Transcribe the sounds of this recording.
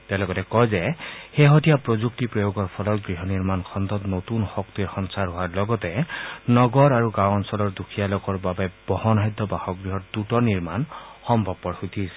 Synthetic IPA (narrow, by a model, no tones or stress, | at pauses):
tɛalɔɡɔtɛkɔjzɛxeɦɔtijapɹozuk̚tipɹɔjoɡɔɹpʰɔlɔt̚ɡɹiɦɔniɹmankʰɔnd̪ɔtnotunxɔktiɹxɔnsaɹɦowaɹlɔɡɔtɛnɔɡɔɹaɹuɡãwɔnsɔlɔɹdukʰijalɔkɔɹbabɛb̥ɔhɔnajd̪ʱːɔbahɔk̚ɡɹiɦɔt̚dutɔniɹmanxɔmbʱɔb̚pɔɹxut̪ʰis